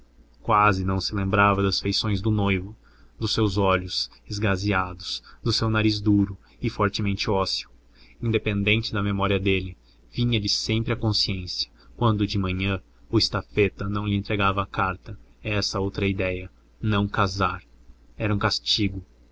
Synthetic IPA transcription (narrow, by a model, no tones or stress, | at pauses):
kwazɪnɐ̃w̃sɪlẽmbɾavɐd̪ɐsfejsõj̃zd̪ʊnojvʊ | d̪ʊsewzɔʎʊz̥ɪzɡaziad̪ʊsd̪ʊsewnaɾizd̪uɾʊ | ɪfɔɾt͡ʃɪmẽnt͡ʃɪɔsiw | ĩnd̪epẽnd̪ẽnt͡ʃɪd̪ɐmemɔɾiɐd̪elɪ | vĩɲɐd͡ʒɪsẽmpɾɪɐkõsiẽsiɐ̥ | kwɐ̃nd̪ʊd͡ʒɪmɐ̃ɲɐ̃ | ʊɪst̪afet̪ɐnɐ̃w̃lɪẽnt̪ɾeɡavɐːkaɾt̪ɐɛsɐowt̪ɾɐid̪ɛjɐ | nɐ̃w̃kazaɾɛɾɐũkast͡ʃiɡʊ